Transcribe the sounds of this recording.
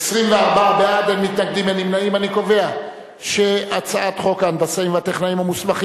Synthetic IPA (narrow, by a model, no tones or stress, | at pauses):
esʁimveaʁbabeademːit̪naɡ̚dimanimnaimaniko̞ve̞a | ʃe̞at͡saat̪χo̞kaand̪asaimveat̪eχnaimamusmaχi